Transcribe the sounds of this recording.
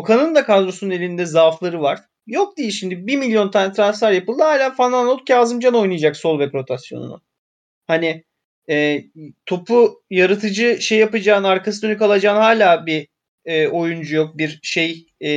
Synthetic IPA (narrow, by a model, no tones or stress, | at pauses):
okʰanɯnd̪akʰazɾosunne̞lʲind̪ɛzaːflˠaɾɯvaɾ̥ | jo̞k̚d̪ijiʃimd̪ibiɾmilʲjo̞nt̪ʰanɛt̪ʰɾanslʲaɾjapɯlˠd̪ɯhaːlʲaːfananolt̪caːzɯmd͡ʒano̞jnujad͡ʒakso̞lˠvɛpɾo̞t̪ʰasjo̰nṵnʊ̰ | hanɪ | ɛːt̪ʰo̞pʰujaɾat̪ʰɯd͡ʒɯʃejːapad͡ʒaːnaɾkʰasɯd̪ø̞nykalˠad͡ʒaːnhaːlʲaːbiː | ʔo̞jund͡ʒujo̞k̚biɾʃe̞j